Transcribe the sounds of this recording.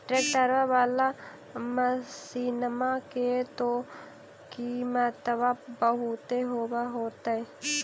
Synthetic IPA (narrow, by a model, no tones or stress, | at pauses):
ʈɾeʈəɾʋaʋaːla | məsiːnəmaket̪o | kimət̪əbabəɦut̪eɦoːbaɦoːt̪ae